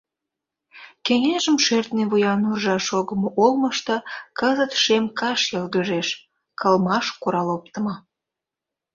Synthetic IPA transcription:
keŋeʒəmʃert̪neβujɑnurʒɑʃoɣəmoʔolməʃt̪ɤkəzət̪ʃemkɑʃjelɣəʒeʃ | kʰəlmɑʃkuɾɑlop̚t̪əmə

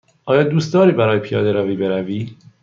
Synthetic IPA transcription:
ʔɒːjɒːd̪uːst̪ɒːɾiːbæɾɒːjepʰijɒːd̪eɾæviːbe̞ɾæviː

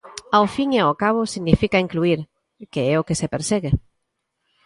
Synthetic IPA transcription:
awfiŋaokaβ̞ʊsiɣnifikaiŋkluiɾ | keɛokesepeɾsɛɣe

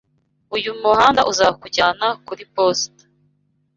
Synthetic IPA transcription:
ujumuɦaːndaʔuzakuɟaːnakuɾipostḁ

